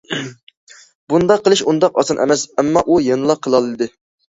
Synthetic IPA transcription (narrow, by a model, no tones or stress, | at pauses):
bund̪ɑqʰːəlˠɨʃund̪ɑqɑsɑnʔɛ̰mɛsɛmːɑʔujenɨlˠɑqʰːəlˠɑlˠɨd̪ɨ